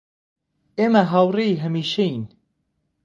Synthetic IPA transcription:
eːmɐɦawreiɦɐmiːʃein

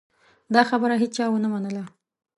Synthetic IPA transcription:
d̪ɑxabəɾaɦet͡st͡ʃɑwənamanəla

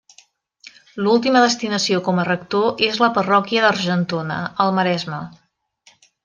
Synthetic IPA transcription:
lulˠt̪iməðəst̪inəsiokɔmərək̚t̪oʔezləpərɔkiəðəɾʒənt̪onə̰əlˠməɾɛzmə

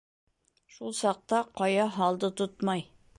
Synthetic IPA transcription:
ʃulˠsɑq̚t̪ɑqʰɑjɑɦɑlˠd̪ɤt̪ʰʊt̪mɑj

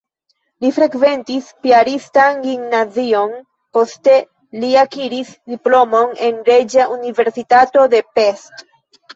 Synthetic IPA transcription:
lifɾe̞kve̞ntispiaɾistanɡimnazio̞n | po̞ste̞ | liakiɾisdiplo̞mo̞ne̞nɾe̞d͡ʒaʔunive̞ɾsitato̞de̞pe̞st

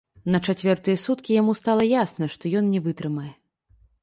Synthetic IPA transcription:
nɐt͡ʂat͡sʲvʲɛrt̪ɨjɛsut̪kʲijamust̪alˠɐjasnɐʂt̪ɔjɔnnʲɛvɨt̪ɾɨmɐjɛ

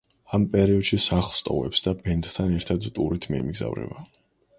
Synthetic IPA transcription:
ampʼɛɾiɔd̪̥ʃisaχlˠst̪ʼɔ̰vɛ̰psd̪abɛnd̪t̪ʰanɛɾt̪ʰad̪t̪ʼuɾit̪ʰmɛɛmiɡza̰vɾɛ̰va

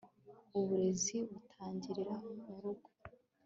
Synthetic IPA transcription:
uβuɾe̞ziβutʰaːɲɟiɾiɾamuɾuɡo

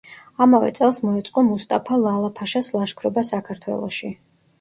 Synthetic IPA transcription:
amavɛ̰t̪sʼɛlˠsmɔɛt̪sʼqʼɔmust̪ʼapʰalˠalˠapʰaʃaslˠaʃkʰɾɔbasakʰaɾt̪ʰwɛ̰lˠɔ̰ʃi

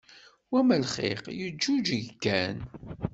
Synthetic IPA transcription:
wæməlχḛqjəd͡ʒːud͡ʒəʝkːæn

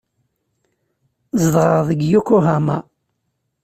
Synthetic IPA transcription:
zəd̪ʁəʁðəɡjukːuɦama

